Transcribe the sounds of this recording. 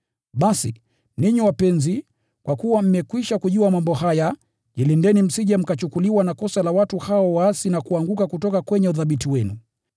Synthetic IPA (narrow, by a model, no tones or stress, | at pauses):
ɓasi | niɲiwapɛnzi | kwakuwam̩mɛkwiʃakuʄuamambɔhaja | ʄilindɛnim̩siʄam̩kat͡ʃukuliwanakɔsalawatuhaɔwaːsinakuaŋɡukakutɔkakwɛɲɛuðaɓitiwɛnu